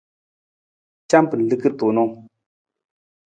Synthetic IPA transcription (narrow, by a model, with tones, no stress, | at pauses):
t͡ɕa˥˦mpə˨lə˨kə˨rt̪o˩˨no˨ŋ